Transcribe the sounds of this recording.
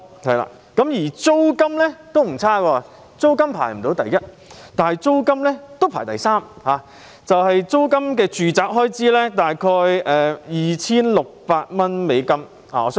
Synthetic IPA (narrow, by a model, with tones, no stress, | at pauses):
hɐ˨jla̰ː˧ | kɐ˨˥mjiː˨˩t͡so˥wkɐ˥mlɛː˥t̪o˥wm̩˨˩t͡sʰaː˥kɔː˧ | t͡so˥wkɐ˥mpʰa̰ː˨˩jm̩˨˩t̪o˨˥wt̪ɐ˨jːɐ˥t̚ | t̪aː˨n˨jt͡so˥wkɐ˥mlɛː˥t̪o˥wpʰa̰ː˨˩jt̪ɐ̰˨˩jsaː˥mhaː˨˧ | t͡sɐ˨whɐ˨jt͡so˥wkɐ˥mk̬ɛː˧t͡ʃyː˨t͡saː˨˧p̚ɦɔː˥jt͡siː˥lɛː˥t̪aː˨jkʰɔː˧jʔɛː˨jiː˨˩t͡sʰiː˥nlʊ˨k̚paː˧t̚mɐ˥nme˨˧jkɐ˥m | a̰ː˨ɔː˨˧s